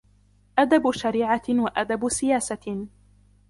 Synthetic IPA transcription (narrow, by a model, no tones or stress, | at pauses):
ʔad̪abʃaɾiːʕawaʔad̪absɪjaːsa